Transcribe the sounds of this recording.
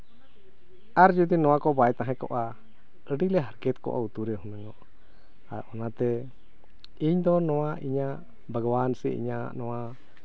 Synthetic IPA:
aɾd͡ʒud̪inɔ̃wakɔbaɛt̪ãɦɛ̃kɔ̰ʔa | əɖilɛɦaɾkɛt̪kɔ̰ʔa̰ut̪uɾɛɦumɛŋɔ | a̰ʔɔnat̪ɛ | iɲd̪ɔnɔ̃waʔiɲaʔ | bəɡɔwansɛ̰ʔḭɲa̰nɔwa

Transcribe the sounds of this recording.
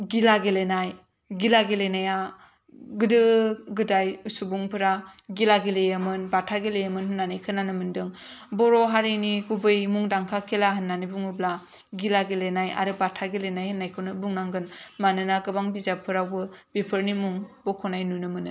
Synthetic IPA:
ɡilaɡelenaj | ɡilaɡelenaja | ɡɯdɯɡɯdajusubuŋpʰɯɾaɡilaɡelejamɯnbatʰaɡelejamɯnhɯnːanijkʰɯnanɯmɯndɯŋbɔɾɔɦaɾiniɡubɯjmuŋdaŋkʰakʰelaɦɯnːanibuŋɯbla | ɡilaɡelenaja̰ɾɯbatʰaɡelenajhɯnːajkʰɯnɯbuŋnaŋɡɯnmanɯnaɡɯbaŋbizapʰːɯɾawbɯb̥ipʰɯɾnimuŋbɔkʰɔnajnunɯmɯnɯ

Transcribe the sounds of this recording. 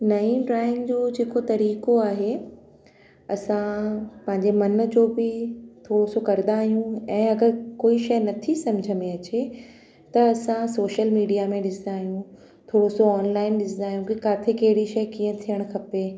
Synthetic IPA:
nɐĩɖɾaːɪ̃ŋɡd͡ʑoːd͡ʑeːkot̪ɐɾiːkoaːɦe | ɐsãpɐ̃ɦɪ̃ɲ̆d͡ʑemɐn̆d͡ʑoːbɪt̪ʰoːɽosokɐɾd̪aːɦijũɛ̃ːɐɡəɾkoːiʃɐjnɐt̪ʰisɐmd͡ʑʱəmẽɐt͡ɕe | t̪ɐɐsãsoːʃəlmiːɖijamẽɗɪsd̪aːɦijũ | t̪ʰoːɽosoɔːnlaːɪnɗɪsd̪aːɦijũkikaːt̪ʰekɐɦɪɽiʃɐjkiə̃t̪ʰijəɽ̃kʰɐpeː

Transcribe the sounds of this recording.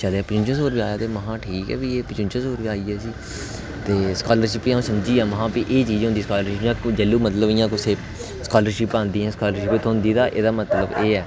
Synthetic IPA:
t͡ʃəleːaːpɪt͡ʃɪ̃nt͡ʃə̃soːɾpiːaːjaːt̪eːməɦãːʈʰiːkɛ̰ːbiːeːpɪt͡ʃɪ̃nt͡ʃə̃soːɾiaːiːɛːsiː | t̪eːskaːləɾʃɪpːiːãũːsəmd͡ʒiːɛːməɦãːpiːʔeːt͡ʃiːd͡ʒɦʊ̃nd̪iːskaːləɾʃɪpãːd͡ʒəlːuːmət̪ləbɪjãːkʊsʰeː | skaːləɾʃɪpãːnd̪iːɦɛ̃ːskaːləɾʃɪpːet̪ʰoɦʊ̃nd̪iːd̪aːʔeːd̪aːmət̪ləbeːɛː

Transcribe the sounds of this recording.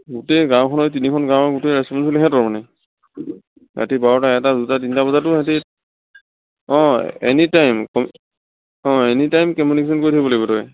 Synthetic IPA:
ɡuteɡãw̃kʰɔnɔjt̬inikʰɔnɡãwɡuteɹɛspɔnsɔlekʰɛtɔɹmanɛ | ɡa̰tibaɹɔtaɛtadutat̬intabɔzatʊati | ɔ̃ɛ̰nitajmkɔm | ɔ̃ɛnitajmkɔmunikes̬ɔnkoɹitʰajbɔlojbɔtɔj

